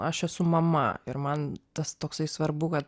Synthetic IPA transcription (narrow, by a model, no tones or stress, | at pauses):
ɐʃɛsʊmɐmɐ̰ɪɾmɐnt̪ɐst̪oːksɐɪsʋɐɾbʊkɐt̪̚